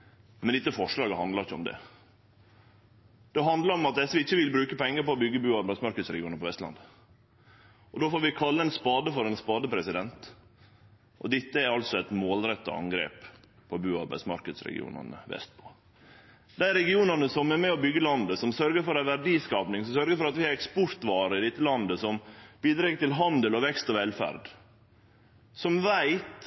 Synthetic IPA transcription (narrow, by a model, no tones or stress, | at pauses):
mɛnd̪ɪt̪ːəfɔʂɭɑːɡəhɑnd̪lɑɾɪçːəɔ̰md̪ɛ̰ | d̪̥ɛɦɑnd̪ləɾɔmɑt̪̚d̪ɛsːəʋɪɪçːəʋɪlbɾʉːkəpʰɛŋːəɾpɔːbʏɡːəbʉːɑɾbæɪsmɑɾkəd̪sɾɛɡɪuːnəpʰɔʋɛst̪lɑ̰nd̪ə | ʔɔd̪oːfoːɾʋɪkʰɑlːəɛnspɑːd̪əfɔɾɛnspɑːd̪əpʰɾɛsɪd̪ɛnt̪ | ʔɔ̰d̪ɪt̪ːəæɾɑlt̪sɔɛt̪moːlɾɛt̪ːɑ̰ɑ̰ŋɡɾḛːp | pʰɔbʉːɑɾbæ̰ɪd̪smɑ̰ɾkəd̪sɾɛ̰ɡɪ̰ṵːnɑ̰nə̰ʋɛ̰st̪̚pʰɔ̥ | d̪æɪɾɛɡɪuːnɑnəsɔmɛɾmɛːɔbʏɡːəlɑnd̪əsɔmsœɾɡəɾfɔɾæʋæɖiːskɑːpnɪŋsɔmsœɾɡəɾfɔɾɑt̪ʋɪɛɾɛkspɔɾt̪ʋɑːɾəɪd̪ɪt̪ːəlɑnd̪əsɔmb̥iːd̪ɾeːɡət̪ɪlɦɑnd̪əlɔʋɛkst̪ɔʋɛlfæ̰ɾd̪ | sɔmʋæɪt̪